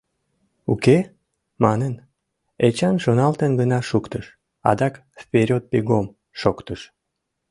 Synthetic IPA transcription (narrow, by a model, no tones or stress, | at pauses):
uke | mɑnən | et͡ɕɑnʃonɑlt̪ənɡənɑʃukt̪əʃ | ɑ̰d̪ɑk | fpʲeɾʲot̪̚peɡom | ʃokt̪əʃ